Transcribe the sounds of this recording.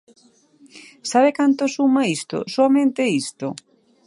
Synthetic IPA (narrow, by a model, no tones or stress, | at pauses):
saβekant̪osumaist̪o̰soamẽnt̪eist̪o